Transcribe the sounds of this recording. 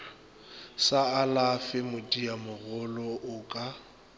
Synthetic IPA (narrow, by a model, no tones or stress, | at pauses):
saalafɪmʊdʼiamʊɣʊlɔʔʊkʼa